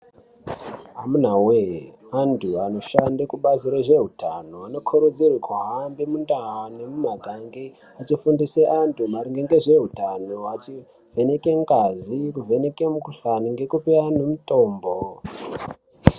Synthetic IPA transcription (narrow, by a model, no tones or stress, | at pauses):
amunaweantʰuano̞ʃandekuɓaziɾoʐe̞ɦutanoano̞kʰoɾud͡zirikwaɦambimundawane̞mumaɡʱaŋɡe | at͡ʃifundiseʔantʰumaɾiŋɡeŋɡe̞ʐe̞ɦutanoat͡ʃi | vʱe̞nekeŋɡazikuvʱe̞ne̞kemukuɬaniŋɡe̞kupeanemuto̞ːmbo